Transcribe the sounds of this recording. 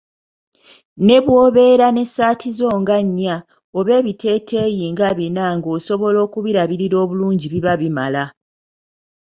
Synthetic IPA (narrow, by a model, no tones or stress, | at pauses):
ne̞βwo̞ːβe̞ɾane̞saːtʰizo̞ːŋɡaɲːa | oβe̞ːβitʰe̞ːtʰe̞ːjiːŋɡaβinaŋɡo̞ːso̞βo̞lo̞ːkuβiɾaβiɾiɾo̞ːβuluːɲɟiβiβaβimala